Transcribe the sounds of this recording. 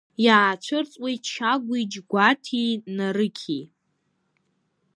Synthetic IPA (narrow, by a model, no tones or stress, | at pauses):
jaːt͡ʃʷʰɨrt͡sʼwejʃʰaɡʷid͡ʒɡʷatʰinaɾɨkʲʰi